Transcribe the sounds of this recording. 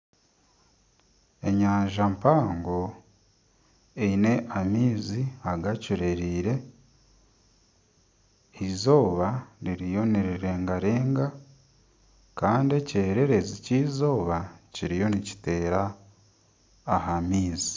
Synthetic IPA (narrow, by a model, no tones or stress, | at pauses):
e̞ɲaːɲʒampaːŋɡo | eine̞ʔamiːziaɡacuɾe̞ɾiːɾe̞ | izo̞ːβaniɾijo̞niɾiɾe̞ːŋɡaɾeːŋɡa | kaːndie̞ceːɾe̞ɾe̞ziciːzo̞ːβaciɾijo̞nici̥te̞ːɾa | hamiːzi̥